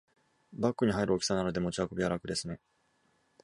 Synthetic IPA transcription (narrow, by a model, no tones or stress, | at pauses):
bakːɯ̟ɲ̟iɦaiɾɯ̟o̞kʲi̥sanano̞d̪e̞mo̞t͡ɕiakɯbʲijaɾakɯ̟d̪e̞sɨne̞